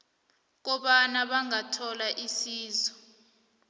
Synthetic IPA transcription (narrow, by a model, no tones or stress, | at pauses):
k̬ɔɓanaɓaŋatʰɔlaʔisiːzɔ